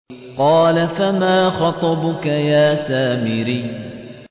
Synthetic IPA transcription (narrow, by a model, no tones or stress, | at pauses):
qɑːlafamaːxɑt̪ˤɑbʊkajaːsaːmɪɾiː